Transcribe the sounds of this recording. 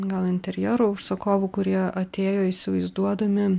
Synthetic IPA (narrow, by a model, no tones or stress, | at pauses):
ɡɐlˠɪnʲt̪ʲɛɾʲjɛːɾoʊʃsɐkoːʋuːkʊɾʲiɛʔɐt̪ʲeːjoːisʲɪʋɐɪzd̪uɔd̪ɐmʲɪ